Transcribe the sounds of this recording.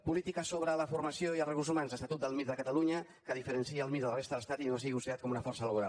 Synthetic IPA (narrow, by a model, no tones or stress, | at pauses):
pulit̪ikəsoβɾələfuɾməsjoiəlˠrəɣuzumanzəst̪ət̪ut̪̚d̪əlˠmit̪d̪əkət̪əluɲə | kəðifəɾənsiəlˠmit̪̚dəlrest̪əðələst̪at̪inoas̬iɣiusiat̪kɔmunəfɔrsələβuɾalˠ